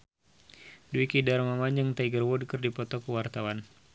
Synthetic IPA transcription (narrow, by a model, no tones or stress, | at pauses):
duikidarmamaɲd͡ʒəŋt̪aiɡərwɔdkərdipɔt̪ɔkəwart̪awan